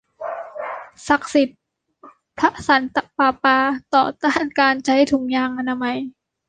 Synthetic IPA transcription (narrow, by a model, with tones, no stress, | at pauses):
sa˨˩k̚si˨˩t̪̚ | pʰa˦˥ʔsa˩˦nt̪a˧paː˧˩paː˧t̪ɔː˨˩t̪aː˥˩nkaː˧nt͡ɕʰa˦˥jt̪ʰu˩˦ŋjaː˧ŋʔa˧na˧ma˧j